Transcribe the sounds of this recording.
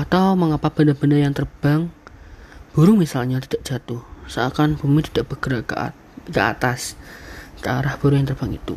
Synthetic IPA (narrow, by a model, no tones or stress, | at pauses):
ʔat̪awməŋapab̥andarb̥andarjaŋt̪ərb̥aŋ | b̥uɾʊŋmisalɲat̪i̥d̥aʔd͡ʒ̥a̤t̪ʊhsəakanb̥umit̪id̥aʔb̥əɡ̥əɾakə̰a̰ | kəa̰t̪as | kəaɾahb̥uɾʊŋjaŋt̪ərb̥a̤ŋḭt̪ṵ